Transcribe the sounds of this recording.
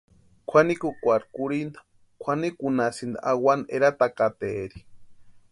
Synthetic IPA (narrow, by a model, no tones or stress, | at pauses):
kʷʰanikukʷaɾkuɾind̪ḁ | kʷʰanikunasind̪a̰ʔawaneɾat̪akat̪eɾi̥